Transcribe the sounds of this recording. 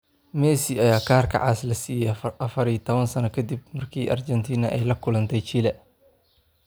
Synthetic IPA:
mɛːsiɐjaːkʰaːrkʰɐ̰ʕaːslɐsiːjɛʔɐfɐɾiːt̪ʰɔβɐnsɐnɐkʰɐd̪ib̚mɐrkʰiːʔɐrt͡ʃɛnt̪ʰiːnɐʔɛjlɐkʰʊlɐnt̪ʰɛjt͡ʃiːlɛ

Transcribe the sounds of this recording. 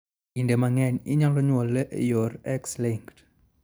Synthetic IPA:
indemaŋɛɲɪ̰ɲalɔɲwɔlɛʔjɔrɛksliŋkt

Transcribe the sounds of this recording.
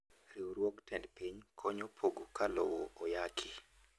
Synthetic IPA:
ɾioɾwoktɛndpiɲkʰɔɲopʰoɡokalo̰woojakʰi

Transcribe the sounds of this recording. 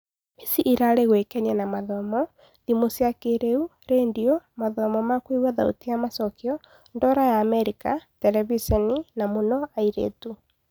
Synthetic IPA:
esiʔiɾaɾeɣwekɛɲɛnamaðɔmɔ | ðimosiakeɾeu | ɾeːndiɔmaðɔmɔmakwewaða̰ṵtijamasɔkjɔ | ndɔɾajaːmɛɾikatɛɾɛvisɛninamonɔaiɾḛːtu

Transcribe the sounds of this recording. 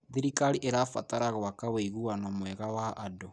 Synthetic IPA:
ðiɾikaɾiʔeɾafataɾaɣwakaweiɣuanɔmwɛɣawaʔado

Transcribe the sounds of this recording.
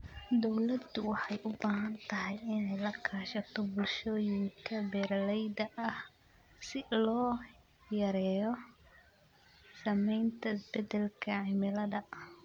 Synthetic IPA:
d̪ɔwlɐd̪ʊwɑħɑjʔʊbaːɦɐnt̪ʰɐɦɛjɪnɛjlɐkʰaːʃɐt̪ʰɔbʊlʃɔːjɪŋkʰɐbɛːɾlɛjd̪ɐʔɐh | sɪlɔː | jɐɾɛːjɔ | sɐmɛjnt̪ʰɐɪsbɛd̪ɛlkʰɐʕɪmɪlɐðɐ

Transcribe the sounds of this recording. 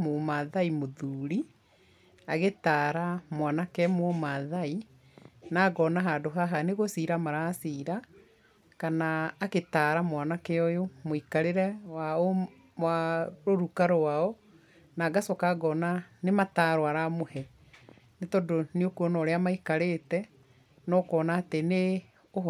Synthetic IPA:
momaðaimoðuːɾi | aɣetaːɾamwanakɛmwɔmaðai | naɡɔnaɦadoɦaɦaneɣosiɾamaɾasiːɾa | kanaːketaːɾamwanakɛɔjomoikaɾeɾɛwao | mwaɾoɾukaɾowaɔ | naɡasɔkaɡɔnanemataɾwaɾamohɛ | netɔdoneokuɔnɔɾeamaikaɾetɛ | nɔkɔːnaːtene | o

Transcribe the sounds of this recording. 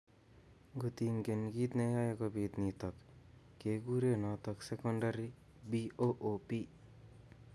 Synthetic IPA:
ɡut̪iŋkenɡit̪nejajekɔbiːt̪nit̪ɔkː | eɡuɾenɔt̪ɔksekɔɳɖaɾi | bioʔoːpi

